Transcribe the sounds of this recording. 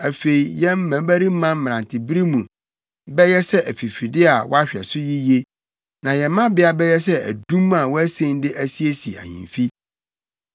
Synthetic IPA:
æ˨fe˨i˨jɛ̃˦m˦mæ̃˨˦bæ˦ɾi˦mã˦m˦m˨ã˨ntʰɪ˨bi˦ɾi˦mũ˨ | bɛ˦jɛ˦sɛ˦ʔæ˨fi˨fi˨dɪ˦a˨wɔ̰˦a˦ɕᶣɛ̰˨sʊ˦ji˦je˦ | nã˨jɛ˨˦mã˦bɪ˦a˨bɛ˦jɛ˦s̬ɛ˦æ̰˨dũ˦mã˨wɔ˦æ˦sẽ˦n˦dɪ˦ʔæ˦si˦e˦si˨æ̰˨ɲḭ̃˨ɱfi˦

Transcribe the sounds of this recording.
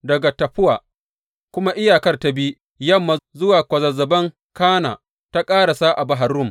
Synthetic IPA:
dɐ˨ɡa˨tɐ˨ɸʊ˦waː˨ | kʷʊ˦ma˦ʔɪ˦jaː˨kɐ˦rta˦biː˦ | jɐ˦˨mːa˨zʊ˦waː˨kʷɐ˨zɐ˨zɐ˨bɐ˦ŋ | kaː˦na̰ː˨ | ta˦kʼaː˦ɽa˨saː˦ʔa˨ba˨ɦa˨ɾʊ˦˨m

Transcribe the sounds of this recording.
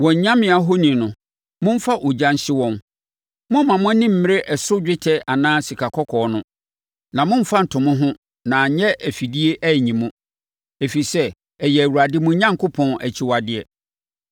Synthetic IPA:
wɔ̃˨ɲ̩˨ɲã˦mɪ̃˨a˨˦ɦo˦nĩ˨nʊ̃˨ | mʊ̃˦m̩˦fa˦ʔɔ˨d͡ʑã˦n˦ɕɪ˦wɔ̃˦n | mʊ̃˦mã˨mʊ̃˦nĩ˦m̩˦mɪ̃˦ɾɪ˦ʔɛ˨sʊ˦d͡ʑᶣɪ˦tʰɛ˦a˨nãː˦si˨kʰa˨kʰɔ˦kʰɔ˨nʊ̃˦ | nã˨mʊ̃˦m̩˦fa˦n̩˨tʰʊ̃˨mʊ̃˦ɦʊ̃˦ | nã˨˦ɲɛ˦ʔæ˨fi˨di˦e˦ʔæ˦˨ɲĩ˨mũ˦ | e˨fi˨sɛ˦ | ɛ˨jɛ˨æ˨wu˨ɾa˨dɪ˦mʊ̃˦ɲã˦ŋkʰʊ˦pʰɔ̃˨næ̰˨t͡ɕʰi˨wa˨dɪ˨ɛ˨

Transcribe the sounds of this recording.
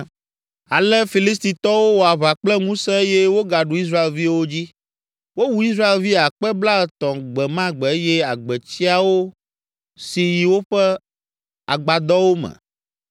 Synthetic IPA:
a˨lɛ˦fi˨li˦s̬t̪i˨t̪ɔ˦wo˦wo˨a˨βa˨k͡plɛ˦ŋũ˦sɛ̃˦e˦jɛ˦wo˦ɡa˨ɖu˨i˦s̬ɾa˦e˨lvi˦wo˦d͡ʑi˦ | wo˦wu˨i˦s̬ɾa˦e˨lvi˦a˨k͡pɛ˦bla˦ɛ˨t̪ɔ̃˨ɡ͡bɛ˨mã˦ɡ͡bɛ˨e˦jɛ˦a˨ɡ͡bɛ˨t͡ɕi˦a˨wo˦ | si˨ji˨wo˦ɸɛ˦ | a̰˨ɡ͡ba˨d̪ɔ˦wo˦mɛ̰̃˨

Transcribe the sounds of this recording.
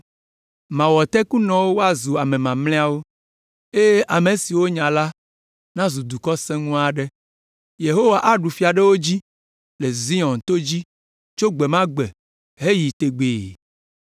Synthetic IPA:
mã˨wɔ˨t̪ɛ˦ku˦nɔ̃˨wo˦wo˦a˨zu˨a˨mẽ˨mã˨mlɛ̃˦a˦wo˦ | e˦e˦ʔa˨me˨si˨wo˦ɲã˨la˦ | nã˦zu˨d̪u˨kɔ˦sɛ̃˦ŋũ˦a˨ɖɛ˦ | je˨ɦo˦wa˨ʔa˦ɖu˨fi˦a˨ɖɛ˦wo˦d͡ʑi˦ | le˨zi˦ɔ̃˨nt̪o˦d͡ʑi˦ | t͡ʃo˦ɡ͡be˨mã˦ɡ͡bɛ˨ | ɦe˦ji˨t̪e˨ɡ͡be˨

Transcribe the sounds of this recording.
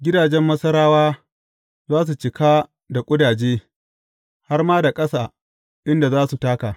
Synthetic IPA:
ɡʲɪ˦daː˨d͡ʒɛ˦mːɐ˦sɐ˦ɾaː˦waː˦ | zaː˦s̬u˨t͡ʃɪ˨kaː˦ | da˨kʷʼʊ˦daː˨d͡ʒeː˦ | ha˦rmaː˦da˨kʼɐ˦saː˨ | ʔɪ˦nda˨zaː˦su˨taː˦kaː˨

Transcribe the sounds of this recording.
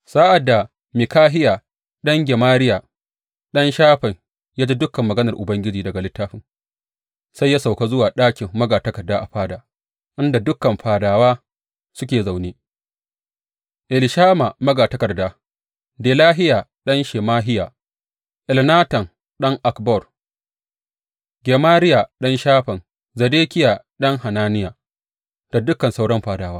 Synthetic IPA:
sa˦ʔa˨dːa˨ | mɪ˨kaː˦ɦɪ˦ja˨ | ɗɐ˦ŋɡʲɛ˨maː˦ɾɪ˦ja˨ | ɗɐ˦nʃaː˦ɸɐ˨ŋ | jaː˦d͡ʒi˦dʊ˦kɐ˨mːɐ˨ɡɐ˦nɐ˨rʔʊ˨bɐ˦ŋɡʲɪ˦d͡ʒiː˨dɐ˨ɡa˨lɪ˦tːaː˦ɸɪ˨ŋ | sa˦jːa˦sa˨wka˦zʊ˦waː˨ɗaː˦kʲɪ˨mːɐ˦ɡaː˨tɐ˦kɐ˨rdaː˦ʔa˨ɸaː˦daː˨ | ʔɪ˦nda˨dʊ˦kːɐ˨mɸaː˨daː˨waː˦ | sʊ˦kʲeː˨za˨wneː˦ | ʔɪ˨lɪ˨ʃaː˦ma˨mɐ˦ɡaː˨tɐ˦kɐ˨rdaː˦ | deː˨laː˦ɦɪ˦jaː˨ɗɐ˦nʃe˨maː˦ɦɪ˦ja˨ | ʔɪ˨lnaː˦tɐ˨ŋ | ɗɐ˦ŋʔa˨kbɔ˦˨r | ɡʲeː˨maː˦ɾɪ˦jaː˨ɗɐ˦nʃaː˦ɸɐ˨n | zɐ˨deː˦kʲɪ˦ja˨ɗɐ˦ŋha˨naː˦nɪ˦ja˨ | d̥a˨dʊ˦kːɐ˨nsa˦wɽɐ˦mɸaː˨daː˨waː˦

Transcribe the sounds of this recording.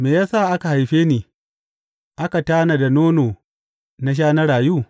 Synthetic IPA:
meː˨jaː˦sa˦˨ʔa˦ka˨ha˨jɸeː˦niː˨ | ʔa˦ka˨taː˦na˨da˨noː˦noː˨ | na˦ʃ̬aː˦nɐ˦ɾaː˨juː˦˨

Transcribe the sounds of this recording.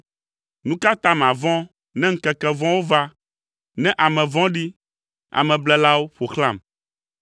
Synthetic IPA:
nũ˦ka˦t̪a˦m˨a˨vɔ̃˦ | nɛ̃˦ŋ̩˦kɛ˨kɛ˦vɔ̃˦wo˦va˦ | nɛ̃˦ʔa˨mɛ̃˨vɔ̃˦ɖi˦ | a̰˨mɛ̃˨blɛ˦la˦wo˦ɸo˨xlã˦˨m

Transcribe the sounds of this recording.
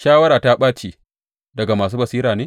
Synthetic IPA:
ʃaː˦wɐ˦ɾaː˨ta˦ɓaː˦t͡ʃeː˨ | dɐ˨ɡa˨maː˨s̬uː˦bɐ˨siː˦ɾaː˨neː˦

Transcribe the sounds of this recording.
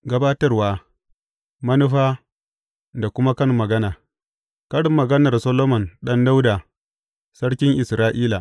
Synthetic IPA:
ɡɐ˦baː˦tɐ˦rwaː˦ | mɐ˦nʊ˦ɸaː˦ | da˨kʷʊ˦ma˦kɐ˦ŋːɐ˨ɡɐ˦naː˨ | kɐ˦ɽɪ˨mːɐ˨ɡɐ˦nɐ˨rsɐ˦loː˦mɔ˨nɗɐ˦nda˦wdaː˨ | sɐ˦ɽkʲɪ˦ŋʔɪ˨sɾaː˦ʔiː˦la˨

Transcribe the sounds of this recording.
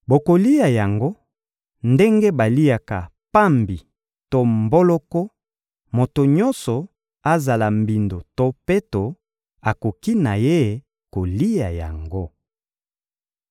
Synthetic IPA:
bo˨ko˨li˦ja˨ja˨ŋɡo˦ | nde˦ŋɡe˦ba˨li˦a˨ka˨ | pa˦mbi˨ | to˦mbo˦lɔ˦kɔ˦ | mo˨to˨ɲɔ˦nsɔ˨ | a˦za˨la˨m˨bi˨ndo˨to˦pe˦to˨ | a˨ko˨ki˦na˨je˦˨ | ko˨li˦a˨ja̰˨ŋɡo˦

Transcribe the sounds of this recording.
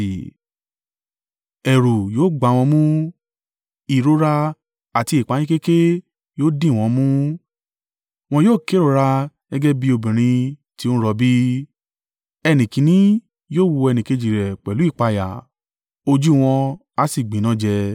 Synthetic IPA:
ɛ˨ɾu˨joː˦˨ɡ͡ba˧˦˧w̃ɔ̃˧mũ˦ | i˨ɾo˦ɾa˦ | a˨ti˧i˨k͡pa˨˦j̃ĩ˦ke˦ke˦ | joː˦dĩ˦˨ɔ̃˧mũ˦ | w̃ɔ̃˧joː˦˨ke˨˦ɾo˨˧˦ɾa˧ | nɛ˦ɡɛ˦bi˦o˧bĩ˨ɾ̃ĩ˧ | ti˦õ˦ɾɔ˧bi˦ | ɛ˧nĩ˨kĩ˧˦nĩ˦ | joː˦˨wo˧ɛ˧nĩ˨ke˧d͡ʒi˨ɾɛ˨k͡pɛ˨lu˦i˦˨k͡pa˧ja̰˨ | o˧d͡ʒu˦w̃ɔ̃˧ | a˧si˨ɡ͡bĩ˨nã˦d͡ʒɛ˧

